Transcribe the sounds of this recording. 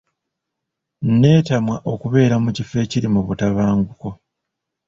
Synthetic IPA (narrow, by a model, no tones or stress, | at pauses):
nne̞ːtamwaʔo̞kuβe̞ːɾamucife̞ciɾimuβutaβaːŋɡuko̞